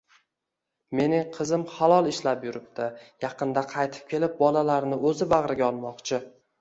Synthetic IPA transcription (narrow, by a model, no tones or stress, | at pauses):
me̞nɪŋqʰɨzɪmχɑlˠɒlˠɪʃlapjʊɾɪp̚t̪ʰɪjɑqɨnd̪aqʰɑjt̪ʰɪ̥p̚kʲʰe̞lɪp̚bɒlalaɾnɪɵzɪbaʁɾɪɡʲaɒlˠmɒqt͡ʃʰɪ